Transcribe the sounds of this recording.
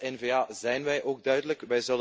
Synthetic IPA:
ɛnveːaːzɛjnʋɛjʔoːɡ̚dœɥdələkʋɛjzɵlə

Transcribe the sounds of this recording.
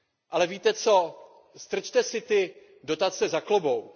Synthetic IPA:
ʔalɛviːt̪ɛt͡so̞ | st̪r̩t͡ʃt̪ɛsɪt̪ɪ | do̞t̪at͡sɛzaklobo̞w

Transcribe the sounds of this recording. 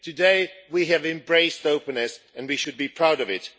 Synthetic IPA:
tʰɨdeɪwiɨvɨ̃mbɹeɪstoʊpɨ̃nɨs | ɨ̃nwiʃɨd̚bipʰɹ̥aʊɾʌvɪt̚

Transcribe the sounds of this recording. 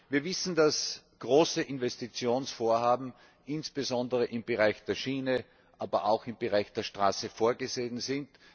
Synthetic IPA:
viːɐvɪsn̩d̥as | ɡ̥ʁoːsəʔɪnvɛstit͡sjoːnsfoːɐɦaːbm̩ | ʔɪnsb̥ezɔndəʁəʔɪmb̥əʁaɪçd̥eːɐʃiːnə | ʔaːbɐʔaʊxɪmbəʁaɪçd̥eːɐʃtʁ̥aːsəfoːɐɡəzeːnzɪnt

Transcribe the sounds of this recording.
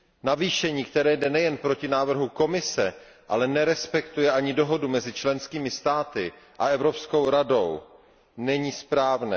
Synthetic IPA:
naviːʃɛɲiːkt̪ɛɾɛːjdɛnɛjɛnpɾo̞cɪnaːvr̩ɦuko̞mɪsɛ | ʔa̰lɛnɛɾɛspɛkt̪ujɛʔaɲɪdo̞ɦo̞dumɛzɪt͡ʃlɛnskiːmɪst̪aːt̪ɪ | ʔa̰ɛvɾo̞psko̞wɾado̞w | nɛɲiːspɾaːvnɛ̰ː

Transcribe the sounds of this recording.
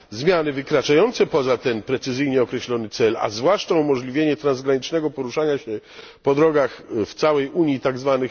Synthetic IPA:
zmʲjanɘvɘkɾat͡ʂajɔnt̪sɛpɔzat̪ɛnpɾɛt̪sɘzɘjɲɛɔkɾɛɕlɔnɘt̪sɛla̰zvwaʂt͡ʂaumɔʐlʲivʲjeɲɛt̪ɾanzɡɾaɲit͡ʂnɛɡɔpɔɾuʂaɲaɕɛ | pɔd̪ɾɔɡaxft̪sawɛjuɲjit̪aɡzvanɘx

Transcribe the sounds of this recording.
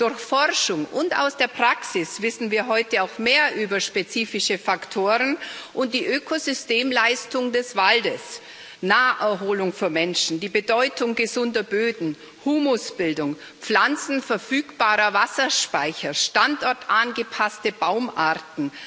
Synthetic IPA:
d̥ʊɐçfɔʁʃʊŋʔʊnta̰ʊsd̥eːɐpʁ̥aksɪsv̥ɪsn̩viːɐɦɔʏtəaʊxmeːɐʔyːbɐʃpet͡siːfɪʃəfaktʰoːʁənʔʊnt̚d̥iːʔøːkʰozʏsteːmlaɪstʊŋdɛsv̥aldəs | naːʔɛɐɦoːlʊŋfyːɐmɛnʃn̩diːbədɔʏtʰʊŋɡəzʊndɐbøːdn̩ | huːmosb̥ɪldʊŋ | p͡flant͡sn̩fɛɐfyːkb̥aːʁɐvasɐʃpaɪçɐʃtantʔɔɐtʔanɡəpʰastəbaʊmʔaɐtn̩

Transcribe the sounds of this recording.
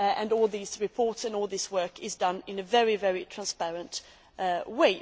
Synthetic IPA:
ɨ̃nɔlˠðizɹɨpʰɔɹtsɨ̃nɔlˠðɪswɜ˞kɪzdʌ̃nɪ̃nɨvɛɹivɛɹitʰɹ̥æ̃nspɛɹɨ̃nt | weɪ

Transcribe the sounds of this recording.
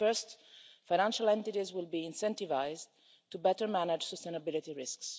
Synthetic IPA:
fɜɹstfajñãnʃalɛ̃nt̪itizwɪlbiɪ̃nsɛ̃nt̪ivaɪz | t̪ubɛtəɹmænad͡ʒsəst̪ẽnabɪlit̪iɹɪsks

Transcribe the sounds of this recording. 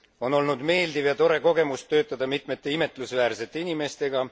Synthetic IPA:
o̞no̞lnud̪me̞ːld̪ivjɑt̪o̞ɾe̞ko̞ɡ̥e̞must̪ø̞ːt̪ːˑɑd̪̥ɑmit̪ˑme̞t̪ˑːe̞ime̞t̪ːˑlusvæːɾse̞t̪ːˑe̞inʲime̞st̪e̞ɡ̥ɑ

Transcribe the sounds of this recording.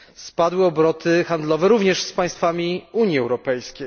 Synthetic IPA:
spad̪wɘɔbɾɔt̪ʰɘxand̪lɔvɛɾuvɲɛʂspaj̃st̪famʲiuɲjiɛwɾɔpɛjskʲej

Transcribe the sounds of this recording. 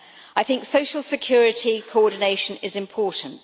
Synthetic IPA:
aɪθɪ̃ŋksəʊʃəlˠsɪkʰj̥ɔːɹɪtʰikʰəɔːdⁿn̩eɪʃə̃nɪzɪ̃mpʰɔˑʔn̩t

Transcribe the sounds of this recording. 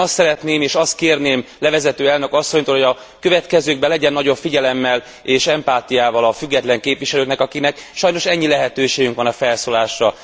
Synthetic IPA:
ɒst̪sɛɾɛt̪neːmeːʃɒst̪̚keːrneːmlɛvɛzɛt̪øːɛlnø̞kɒsːo̞ɲt̪oːlhoɟɒ | kø̞vɛt̪kɛzøːɡ̚bɛlɛɟɛnːɒɟo̞pfiɟɛlɛmːɛl | eːʃɛmpaːt̪ijaːvɒlɒfyɡːɛt̪lɛŋkeːpʋiʃɛløːk̪nɛkɒkinɛkʃɒjno̞ʃɛɲːilɛɦɛt̪øːʃeːɡyŋkʋɒnɒfɛlsoːlaːʃrɒ

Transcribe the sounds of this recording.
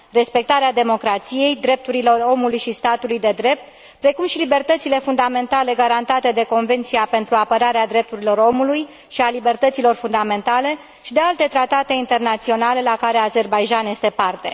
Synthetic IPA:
re̞spe̞k̚t̪aɾead̪e̞mo̞kɾat̪sije̞jd̪ɾe̞p̚t̪uɾilo̞ro̞mulujʃist̪at̪ulujd̪e̞d̪ɾe̞p̚t̪ | pɾe̞kumʃilibe̞rt̪ət̪sile̞fund̪ame̞nt̪ale̞ɡaɾant̪at̪e̞d̪e̞ko̞nve̞nt̪sijape̞nt̪ɾuapəɾaɾead̪ɾe̞p̚t̪uɾilo̞ɾo̞muluj | ʃialibe̞rt̪ət̪silo̞rfund̪ame̞nt̪ale̞ | ʃid̪e̞alt̪e̞t̪ɾat̪at̪e̞int̪e̞rnat̪sio̞nale̞lakaɾe̞aze̞rbajʒanje̞st̪e̞part̪e̞̰

